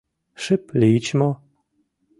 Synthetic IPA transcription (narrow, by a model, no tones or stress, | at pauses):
ʂɘplʲiit͡ɕmɔ